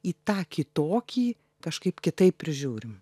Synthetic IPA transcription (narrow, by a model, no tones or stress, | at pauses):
iːt̪ɑːkʲɪt̪oːkʲiː | kɐʃkɐɪpkʲɪt̪ɐɪppʲɾʲɪʒʲuːɾʲɪm